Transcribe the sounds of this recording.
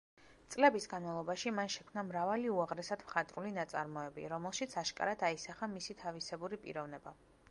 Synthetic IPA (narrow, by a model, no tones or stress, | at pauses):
t̪sʼlɛbisɡanmalˠɔbaʃimanʃɛkʰmnamɾavaliuaʁɾɛsad̪mχat̪ʼɾulinat̪sʼa̰ɾmɔɛbḭɾɔmɛlˠʃit̪sʰaʃkʼa̰ɾad̪aisaχamisit̪ʰavisɛbuɾipʼḭɾɔvnɛba